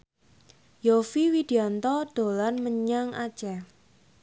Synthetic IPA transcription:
jofiwid̪̥i̤ant̪ɔd̪̥o̤lanməɲaŋḁt͡ʃɛ

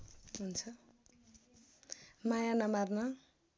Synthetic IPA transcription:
ɦunt͡sʰʌ | majanamarna

